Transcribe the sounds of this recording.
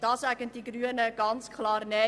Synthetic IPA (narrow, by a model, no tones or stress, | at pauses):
d̥ɑːsæɡənd̥iɡryənəɡ̥ɑnt͡skʰlɑːrnɛ